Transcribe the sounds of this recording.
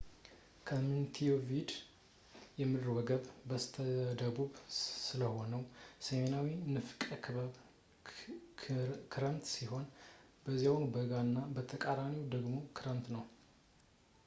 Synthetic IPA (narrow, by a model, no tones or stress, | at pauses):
kʰəmunt̪ʰijovid̪ | jɛmːɨd̪ɾwɔɡəβbəst̪ʰəd̪əbuβsɨləho̞nəwsəme̞nawinɨfkʼəkʰɨβəβ | kʰɨɾənt̪siɦo̞n | bəzijawnbəɡanːabət̪ʰəkʼaɾamiwd̪əɡmo̞kʰɨɾənt̪nəw